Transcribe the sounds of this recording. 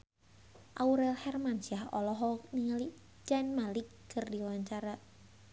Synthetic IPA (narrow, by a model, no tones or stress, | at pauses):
ʔauɾɛlhɛrmansiahɔ̰lɔɦɔniŋali | d͡ʒanmalikː | ərdiwaɲt͡ʃaɾa